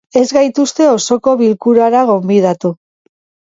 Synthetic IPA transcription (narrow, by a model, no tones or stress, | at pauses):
e̞zɣajt̪ust̪e̞o̞so̞ko̞βilkuɾaɾaɣ̞o̞mbið̞at̪u